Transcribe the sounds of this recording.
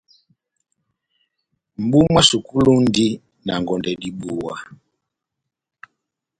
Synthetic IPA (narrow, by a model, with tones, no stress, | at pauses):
m̩˨bu˦mwa˦su˨ku˦lu˦ndi˦ | na˨ŋɡɔ˨ndɛ˨di˨ɓu˨wa˨